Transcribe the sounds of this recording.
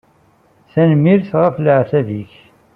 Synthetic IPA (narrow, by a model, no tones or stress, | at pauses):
θænmːiɾθʁəfləʕθæviç